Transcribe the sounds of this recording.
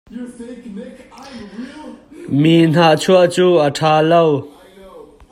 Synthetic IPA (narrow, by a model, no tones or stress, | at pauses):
min̥aʔt͡sʰuəʔt͡suʔəʈʰaːlow